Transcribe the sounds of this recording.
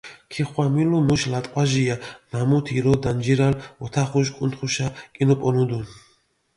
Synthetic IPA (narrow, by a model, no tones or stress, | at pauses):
kʰiχwamilumuʃlat̪ʼqʼwaʒijanamut̪ʰiɾɔd̪and͡ʒiɾalɔt̪ʰaχuʃkʼunt̪χuʃakʼinɔpʼɔnud̪un